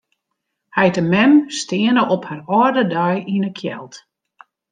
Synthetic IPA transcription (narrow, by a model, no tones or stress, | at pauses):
hɛjtəmɛmstɪənəʔɔpharɔrdədœjinəkʰjɛ̰lˠt